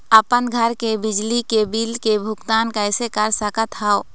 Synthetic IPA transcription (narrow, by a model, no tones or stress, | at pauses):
əpənɡʱəɾkebɪd͡ʒlikebilkebʱʊkt̪aːnkəɪsekəɾsəkət̪ɦao